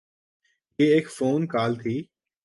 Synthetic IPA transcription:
jeːeːkfoːnkaːlt̪ʰiː

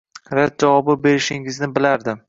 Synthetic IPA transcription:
ɾat̪̚d͡ʒavɒbɪbe̞ɾɪʃɪŋɪznɪbɪlaɾd̪ɪ

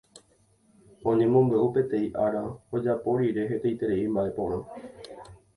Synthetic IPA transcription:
õɲẽmõ̞mbe̞ʔupe̞t̪e̞iʔaɾaod͡ʒapo̞ɾiɾe̞ɦe̞t̪ejt̪e̞ɾe̞imbaʔe̞põ̞ɾ̃ã

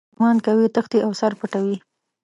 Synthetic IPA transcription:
mɑnd̪kawit̪əxt̪iʔawsaɾpəʈawi

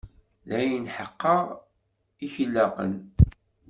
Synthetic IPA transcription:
ðæjənħəqːəʁ | içəlːaqə̰n

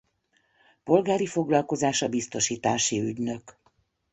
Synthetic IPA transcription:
po̞lɡaːɾifo̞ɡlɒlko̞zaːʃɒbist̪o̞ʃiːt̪aːʃiyɟnø̞k

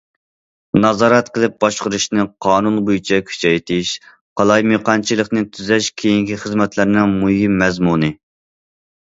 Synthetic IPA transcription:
nɑzɑːɾɛt̪qəlˠɨp̚bɑʃqəɾuʃnɨqʰɑːnunbojyt͡ʃʰɛkʲʰy̥t͡ʃʰɛjt̪ʰɪʃ | qʰɑlˠɑjmeqɑnt͡ʃʰilˠəχnɨt̪ʰyzɛʃkʲʰejiŋkʲiχəzmɛt̪ʰlɪɾnɪŋmujimːɛzmunɨ

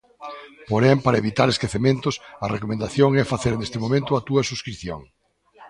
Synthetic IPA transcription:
poɾɛmpaɾɐeβit̪aɾeskeθemẽnt̪ʊsɐrekomẽnd̪aθjoŋɛfaθeɾnest̪ɪmõmẽnt̪ʊɐt̪uɐsuskɾiθjo̰ŋ

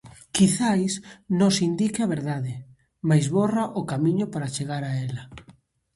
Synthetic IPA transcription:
kiθajsnõsind̪ikeaβeɾðaðɪ | majzβoraʔʊkamĩɲʊpaɾat͡ʃeɣaɾaɛlɐ

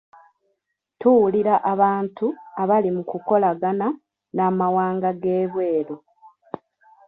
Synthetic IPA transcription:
tuwuliɾaʔaβaːntuaβalimukuko̞laɡana | naːmawaːŋɡaɡeːβwe̞ːɾo

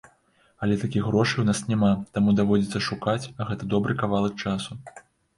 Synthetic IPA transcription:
ɐlʲɛt̪akʲiɣɾɔʂɨjwnasnʲamat̪amud̪avɔd͡zʲit̪sːɐʂukat͡sʲɐɣɛt̪ɐd̪ɔbɾɨkavalˠɐk̚t͡ʂasu

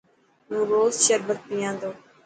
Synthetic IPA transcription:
mũːɾoːzʃəɾbək̪̚pijãːnd̪oː

